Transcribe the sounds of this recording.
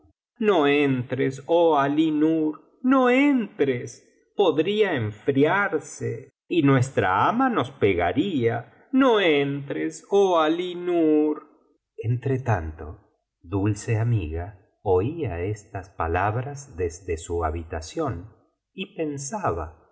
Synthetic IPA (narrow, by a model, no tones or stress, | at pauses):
noent̪ɾesoalinuɾ | noent̪ɾes | poðɾiaeɱfɾjaɾse | inwe̞st̪ɾa̰amano̞speɣa̰ɾia | noent̪ɾesoalinuɾ | ent̪ɾet̪ant̪o̞ | ðulseamiɣa | oiaest̪aspalaβɾazðezðesuaβit̪asjo̞n | ipensaβa̰